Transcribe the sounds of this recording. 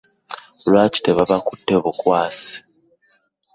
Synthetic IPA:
lwaːci̥teβaβakutːe̞βukwaːsi̥

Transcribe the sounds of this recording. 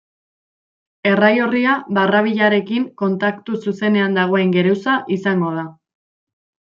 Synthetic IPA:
e̞rajoriaβaraβ̞iʎaɾe̞kiŋko̞nt̪akt̪ususe̞ne̞and̪aɣ̞o̞e̞ŋɡe̞ɾewsaʔisaŋɡo̞ð̞a

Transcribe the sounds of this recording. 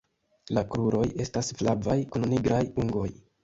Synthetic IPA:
lakɾuɾo̞je̞stasflavajkunniɡɾʔajuŋɡo̞j

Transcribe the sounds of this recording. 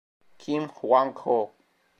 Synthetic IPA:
kʰimxwaŋkʰo

